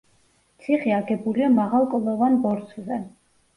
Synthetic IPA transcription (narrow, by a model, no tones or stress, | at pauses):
t̪sʰiχiaɡɛbuliamaʁalˠkʼɔlˠɔvanbɔɾsʰzɛ